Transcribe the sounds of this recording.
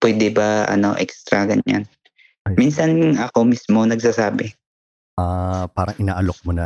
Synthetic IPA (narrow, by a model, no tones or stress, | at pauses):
pwɛːd̪ɛbɐʔɐ̰no̰ʔɛ̰kst̪ɾɐɡɐɲa̰n | minsɐnɐko̞mismo̞nɐɡ̚saːsaːbɛ | ʔapaːɾɐŋʔɪnaːʔɐlok̚monɐ